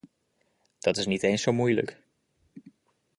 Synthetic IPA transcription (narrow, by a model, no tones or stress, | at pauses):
d̥ɑtɪsnitejnsowmujlə̰k